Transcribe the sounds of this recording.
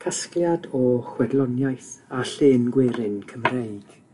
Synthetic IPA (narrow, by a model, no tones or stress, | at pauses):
kʰaskljadɔχwɛdlˠɔnjajθaɬɪːnɡwɪɾɪnkʰəmreɨɡ̥